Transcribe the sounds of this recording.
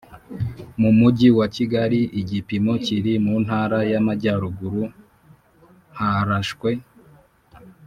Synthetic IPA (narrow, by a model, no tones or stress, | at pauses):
mumuɟiwaciɡaɾiʔiɟipimo̞ciɾimun̥haːɾajamaɟaːɾuɡuɾu | ŋ̥haɾaʃkwe̞